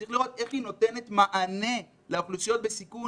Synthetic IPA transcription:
iχliʁo̞t̪e̞χino̞te̞ne̞tmaʔane̞ | leoχlusjo̞t̚be̞siku

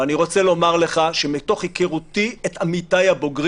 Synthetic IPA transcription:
aniʁo̞t͡selo̞maʁleχaʃe̞mito̞χhikeʁutietamitajabo̞ɡʁ

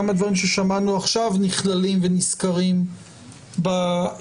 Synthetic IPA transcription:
amad̪vaʁimʃeʃamanuaχʃavniχlalimveniskaʁim | ba

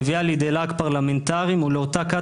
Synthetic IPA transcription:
vialid̪elakpaʁlament̪aʁimuleotaka

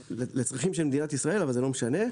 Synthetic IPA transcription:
elet͡sʁaχimʃelmed̪inat̪isʁae̞lavalzelo̞meʃane̞

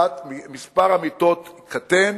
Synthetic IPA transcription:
t̪mimispaʁamit̪ot̪kat̪en

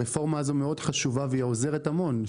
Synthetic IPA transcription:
efo̞ʁmaːzo̞meo̞dχaʃuvaveioze̞ʁetamo̞n

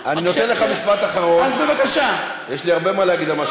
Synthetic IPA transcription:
aninot̪enleχamiʃpat̪aχaʁo̞nazbevakaʃa | jeʃliaʁbe̞maleaɡid̪amaʃ

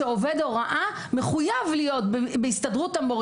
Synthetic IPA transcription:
eove̞doʁaʔa | meχujavlijo̞tbebeistadʁutamoʁ

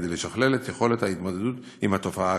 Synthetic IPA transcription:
dejleʃaχle̞let̪jeχo̞le̞t̪hait̪mo̞d̪e̞d̪ut̪ | imhat̪o̞faa

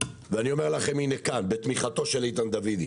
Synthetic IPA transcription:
veanio̞me̞ʁlaχe̞minekanbet̪miχat̪o̞ʃelejt̪and̪avid̪i

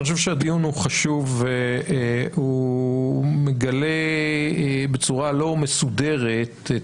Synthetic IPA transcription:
ioʃ̬evʃead̪ijunhuχaʃuv | hu | meɡale | be̞t͡suʁalo̞me̞sude̞ʁet̪

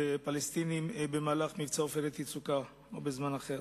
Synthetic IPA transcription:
epalest̪inimbemaːlaχmivt͡saofelet̪it͡suka | obezmanaχeʁ

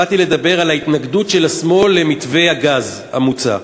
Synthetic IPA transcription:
at̪ile̞d̪abe̞ʁalait̪naɡd̪utʃe̞lasmo̞lːe̞mit̪ve̞jhaɡaz | ha̰mut͡sa̰

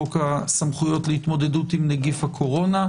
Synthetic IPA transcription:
okasamχujo̞tleit̪mo̞d̪e̞dut̪imneɡifhakʰo̞ʁo̞na

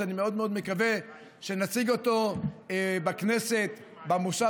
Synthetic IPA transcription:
animeo̞d̪meo̞d̪mekave | ʃe̞nat͡siɡo̞t̪o̞ | bakne̞se̞t̪ | bamosa

